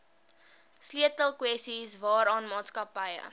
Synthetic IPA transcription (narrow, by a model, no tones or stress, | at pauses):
sliətəlˠkwɛstisvɑːɾɑːnmɑːtskɐpəjə̰